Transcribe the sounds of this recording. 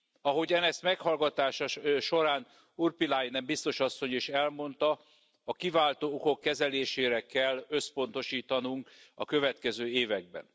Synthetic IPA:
ɒɦo̞ɟɒnɛst̪mɛkhɒlɡɒt̪aːʃɒʃo̞ɾaːn | urpilajnɛmbist̪o̞ʃɒsːo̞ɲiʃɛlmo̞n̪t̪ɒ | ɒkivaːlt̪oːoko̞kːɛzɛleːʃeːɾɛkɛlːøspo̞n̪t̪o̞ʃiːt̪ɒnuŋkɒ̰kø̞vɛt̪kɛzøːeːvɛɡ̚bɛ̰n

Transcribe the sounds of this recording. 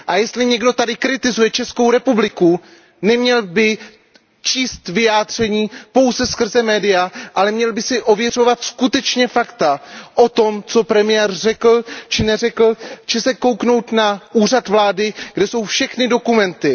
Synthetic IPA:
ʔajɛst̪lɪɲɛɡdo̞t̪adɪkɾɪt̪ɪzujɛt͡ʃɛsko̞wɾɛpublɪku | nɛmɲɛlbɪ | t͡ʃiːst̪vɪjaːd̪r̝ɛɲiːpo̞wzɛskr̩zɛmɛːdɪjaʔalɛmɲɛlbɪsɪʔo̞vjɛr̝o̞vat̪skut̪ɛt͡ʃɲɛfakt̪aʔo̞t̪o̞mt͡so̞pɾɛmɪjɛːrrɛkl̩t͡ʃɪnɛrɛkl̩t͡ʃɛsɛko̞wkno̞wt̪naʔuːr̝at̪vlaːdɪɡ̥dɛso̞wfʃɛxnɪdo̞kumɛnt̪ɪ

